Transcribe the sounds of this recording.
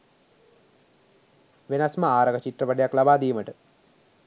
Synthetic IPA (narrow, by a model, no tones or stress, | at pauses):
ʋenasməaːɾəkət͡ʃiʈ̪rəpəɖejaklabaːd̪ijməʈə